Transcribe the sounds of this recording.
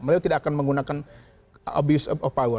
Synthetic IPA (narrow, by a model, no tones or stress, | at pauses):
məliut̪idaakanməŋɡunakan | ɔ̰bjusɔɔpawə